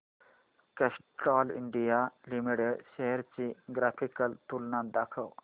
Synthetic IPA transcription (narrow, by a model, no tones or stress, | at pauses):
kesʈɔlḭɳɖijalimiɽeɖɕeɦeɾt͡ɕiɡɾafʰikəlt̪ulnãd̪akʰəw